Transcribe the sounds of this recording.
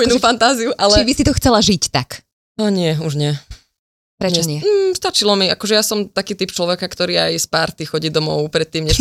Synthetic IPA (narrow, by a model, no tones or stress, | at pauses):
inuːfant̪aːziuʔalt͡ʃɛibisit̪ɔxt͡sɛlaʒict̪ak | aɲɪɛuʒɲɪɛ | pɾɛɲt͡ʃɛɲɪɛst̪at͡ʃilɔmiakɔʒɛjasɔmt̪akiːt̪ipt͡ʃlɔʋɛkakt̪ɔɾiːajspaɾt̪ixɔɟiːd̪ɔmɔʊpɾɛt̪ːiːmɲɛ